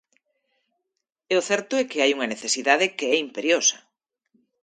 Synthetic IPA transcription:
ɛoθɛɾt̪ʊɛkeajuŋɐneθesiðaðekeɛimpeɾjosɐ̥

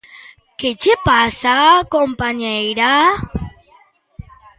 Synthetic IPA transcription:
ket͡ʃepasakompaɲejɾa

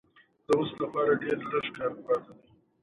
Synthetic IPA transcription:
d̪̥əwʊslapɑːɾaɖeɾləʃkɑɾpɑt̪ad̪i

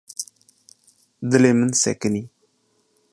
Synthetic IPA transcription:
d̪əlemənsḛkəni

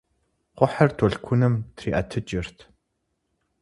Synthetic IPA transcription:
qʷʊħɐrtʰɔɬkʷʰunɨmtʰriːʔɐtʰɨt͡ʃʼɪr̥t̪ʰ

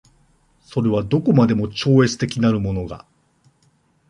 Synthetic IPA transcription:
so̞ɾe̞β̞ad̪o̞ko̞mad̪e̞mo̞t͡ɕo̞ːe̞t͡sɨ̥t̪e̞kʲinaɾɯ̟mo̞no̞ɡa̰

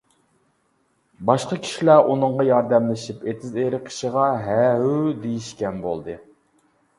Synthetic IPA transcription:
bɑʃqɑkʲʰi̥ʃilæʔunɨɴʁɑjɑɾd̪ɛmlɪʃipet̪ʰɪzeɾɪqʰə̥ʃiʁɑɦæɦud̪ejiʃkʲɛnbo̰lˠd̪ɨ

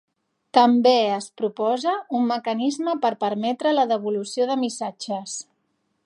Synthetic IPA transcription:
t̪əmbeəspɾupɔzəumːəkənizməpəɾpəɾmɛt̪ɾələðəβ̞ulusioðəmisad͡ʒəs

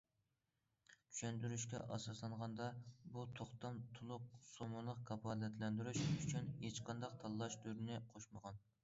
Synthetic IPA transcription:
t͡ʃʰy̥ʃɛnd̪yɾyʃkʲɛ̰ʔɑ̰sɑslˠɑɴʁɑnd̪ɑbut̪ʰoχt̪ɑmt̪ʰulˠʊq̚somɑlˠəqkʰɑpʰɑːlɛt̪ʰlɛnd̪yɾyʃyt͡ʃʰynhet͡ʃqɑnd̪ɑqt̪ʰɑlˠːɑʃt̪yɾnɪqʰoʃməʁɑn

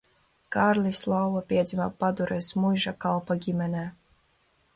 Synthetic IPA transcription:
kaɾlʲislˠawvapʲiɛd̪zʲimapad̪uɾɛsmujʒakalˠpaɡʲimʲɛnɛː

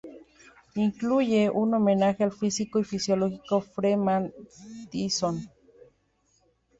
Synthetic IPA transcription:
iŋklujeʔunomenaxelfisikoifisjoloxikofɾemant̪ison

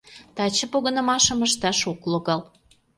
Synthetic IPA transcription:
t̪ɑt͡ɕə̆poɣənə̆mɑʃə̆məʃt̪ɑʃokloɣɑl

